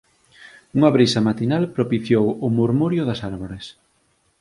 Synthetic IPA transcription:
uŋɐβɾisɐmat̪inalpɾopiθjowʊmuɾmuɾjʊðɐsaɾβoɾes

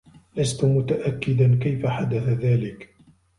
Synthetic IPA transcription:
last̪ʊmʊt̪aʔakːɪd̪ankajfaħad̪aθaðaːlɪk

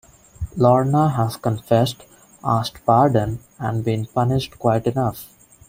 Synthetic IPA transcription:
lɔːɾnaɦæzkə̃nfɛsʈ | ʔaːsʈpaːɾɖə̃n | æ̃ɳɖbĩnpʌnɪʃʈkwaɪʈɪnʌf

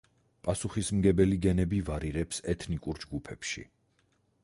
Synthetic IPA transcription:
pʼasuχismɡɛbɛliɡɛnɛbivaɾiʁɛpsɛt̪ʰnikʼuɾd͡ʒɡupʰɛpʃḭ

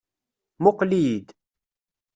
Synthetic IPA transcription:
mʊqlijid̪

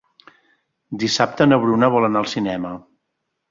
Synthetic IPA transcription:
d̪isap̚t̪ənəβɾunəβ̞ɔlənaəlˠsinɛmə

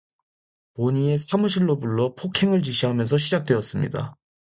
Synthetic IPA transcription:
poɲie̞sʰamuɕ̬ʰiɭːobuɭːʌpʰokʰe̞ŋɯɭt͡ɕiɕʰiɦamjʌnsʰʌɕʰid͡ʑak̚t͈we̞ʌs͈ɯmɲḭda̰

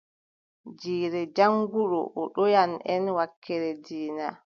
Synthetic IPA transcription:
d͡ʒiːɾɛd͡ʒaŋɡuɗɔ̰ʔɔɗɔjanɛnwakːɛɾɛdiːna

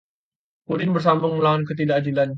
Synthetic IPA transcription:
kudɪnbərs̬ambʊŋməlawankət̪̬idaʔdilan

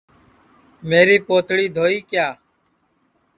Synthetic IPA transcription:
meːɾiːpoːt̪ʰɽiːd̪ʱoːiːkjaː

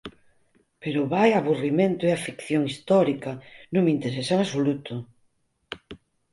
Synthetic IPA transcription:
peɾʊβajaβurimẽnt̪ʊeafikθjoŋist̪ɔɾikɐnõŋmint̪eɾesaeŋasolut̪ʊ

